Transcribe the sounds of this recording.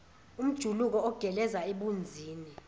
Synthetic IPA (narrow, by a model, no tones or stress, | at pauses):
um̩d̥ʒ̥ʱuluk̬ɔɔɡ̥ʱɛlɛzaeɓund͡zʱiːni